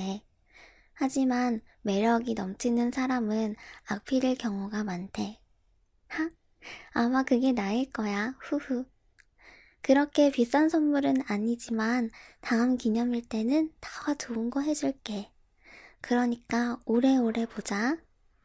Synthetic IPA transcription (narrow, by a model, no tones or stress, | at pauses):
e | had͡ʑiman | me̞ɾjʌɡinʌmt͡ɕʰinɯnsʰaɾamɯnak̚pʰiɾɯɭkjʌŋuɡamantʰe̞ | ha | amakɯɡe̞naiɭk͈ʌjaɸuhu | kɯɾʌkʰe̞pis͈ansʰʌnmuɾɯnaɲid͡ʑimantaɯmkiɲʌmiɭt͈e̞nɯntawat͡ɕoɯnɡʌɦe̞d͡ʑuɭk͈e̞ | kɯɾʌɲik͈aoɾe̞oɾe̞pod͡ʑa